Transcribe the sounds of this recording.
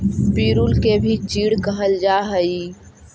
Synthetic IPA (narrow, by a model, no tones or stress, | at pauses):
piːɾulkebʱit͡ʃiːɽkəɦəld͡ʒaɦəi